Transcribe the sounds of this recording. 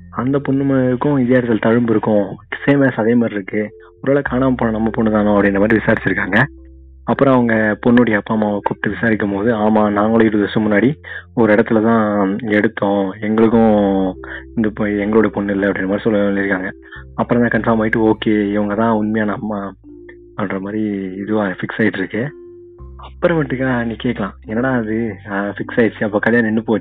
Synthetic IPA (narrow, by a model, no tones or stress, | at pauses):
ɐnd̪ɐpɔɳːɯmɪɾɯkːʊ̃ɪðɪjaːɾt̪ːɪlt̪ɐɻɯmbɪɾɯkːʊ̃ɪseːmeːsɐðeːmaːd̪ɾɪɾɯkːɯ | ɔɾɯʋeːɭɐkaːnaːmɐponːɐ̃nɐmːɐpɔɳːɯt̪aːnʊ̃ɐpːɽɪnːɐmaːd̪ɾɪʋɪsaːɾɪt͡ʃːɪɾɯkːaːŋɡɐ | ɐpːɯɾɔ̃ɐʋɐŋɡɐpɔɳːoɽɪjɐɐpːaːmaːɐkuːpːɪ̥ʈːɯʋɪsaːɾɪkːɯmpoːðɯaːmaːnaːŋɡɐɭoɪɾɯðɐsɯ̃mʊnːaːɽiɔɾɯɪɽɐt̪ːɪlɐt̪ãːɛɽɯt̪ːõɛŋɡɐɭɯk̬ːʊ̃ | ɪnd̪ɐpɛŋɡɐɭoːɽɐpɔɳːɪlːɐɐpːɐɽɪnːɐmaːd̪ɾisɔlːɐlɪɾɯkːaːŋɡɐ | ɐpːɯɾɔ̃t̪ãːkɐnfɐɾmaːɪʈːɯoːkeːɪʋɐŋɡɐt̪ãːʊnmɐjaːnɐːmːaː | ɐnɾɐmaːd̪ɾiɪðɯʋafɪksaːjɪʈːɪɾɯkːɯ | ɐpːɯɾɐ̃pɐʈːɯkːaːnĩːkeːkːɐɭãːɪŋɡɐnːaːɽɐɐðɯfɪksaːjɪt͡ʃːɯɐpːoːkɐljaːnɐɛnːɯpoː